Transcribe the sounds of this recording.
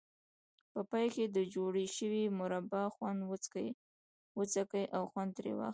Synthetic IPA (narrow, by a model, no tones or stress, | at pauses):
pəpɑjked̪əd͡ʒoɽeʃəwimʊɾabaxwand̪ət͡skəj | wət͡sakəjʔawxwand̪̚t̪ɾḛwɑ̰xt̪